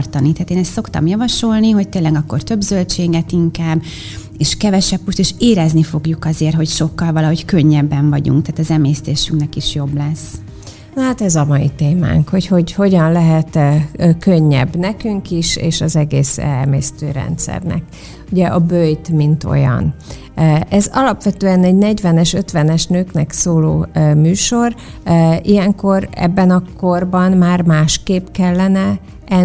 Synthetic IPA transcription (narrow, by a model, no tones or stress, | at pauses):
rt̪ɒnit̪aːt̪eːnɛst̪sokt̪ɒ̰mjɒvɒʃo̞lniɦo̞c̚t̪eːnlːɛɡɒkːo̞rt̪ø̞bzølt͡ʃeːɡɛt̪iŋkaːbː | eːʃkɛvɛʃɛpːuʃt̪eːʃeːɾɛznifo̞ɡjukɒzeːrt̪ɦo̞cʃo̞kːɒlvɒlɒɦo̞ckø̞ɲːɛbːɛɱvɒɟṵŋkt̪aːt̪ɒzɛmeːst̪eːʃyŋknɛkiʃjo̞blɛs | nɦat̪ɛzɒmɒjit̪eːma̰ːŋkho̞cho̞ɟho̞ɟɒnlɛɦɛt̪køɲːɛ̰bnɛkyŋkiʃeːʃɒzɛɡeːsɛ̰mḛːst̪øːɾɛ̰nt̪sɛ̰rnɛ̰k | uɟɛʔɒbøjt̪mint̪o̞̰jɒ̰n | ɛzɒlɒpʋɛt̪øːɛnɛɟnɛɟʋɛnɛʃø̞t̪ʋɛnɛʃnøːknɛksoːlo̰ːmyːʃo̞r | ijɛŋko̞ɾɛ̰bːɛnɒko̞rbɒnmaːrmaːʃkeːpkɛlːɛnɛ | ʔɛ